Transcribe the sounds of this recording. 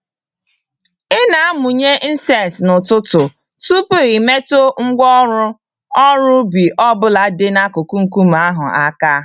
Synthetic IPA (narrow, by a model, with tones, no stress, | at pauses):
ɪ˦na˨a˦mu˨ɲe˦n̩˦sɛ˨nsnʊ˨tʊ˦tʊ˨ | tu˦pe˨ɾi˨me˦to˦ŋ̩˦ɡʷɔ˦ɾʊ˦ | ɔ˦ɾʊ˦bi˨ʔɔ˦bʊ˦la˨dɪ˦na˦ko˨ku˦ŋ̩˨ku˦m˨a˦ɦʊ˨a˦ka˦